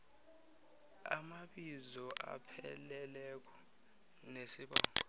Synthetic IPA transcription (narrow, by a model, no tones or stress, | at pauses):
a̰maɓizɔʔa̰pʰɛlɛlɛkʰɔ̥ | nesiɓaːŋɔ